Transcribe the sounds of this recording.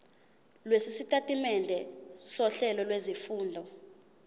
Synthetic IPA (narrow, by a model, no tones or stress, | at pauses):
lwesisitʼatʼimɛndʱɛsɔɬɛlɔlwezifuːndʱɔ